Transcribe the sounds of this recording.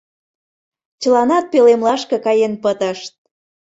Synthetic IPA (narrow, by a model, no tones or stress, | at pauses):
t͡ɕəlɑnɑt̪̚pelemlɑʃkɤ̆kɑjenpət̪əʃt̪̚